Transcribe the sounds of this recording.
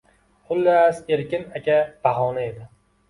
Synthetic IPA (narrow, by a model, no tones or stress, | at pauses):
χʊlːaseɾkʲɪnakʲab̥aɦɒːnae̞d̪ɪ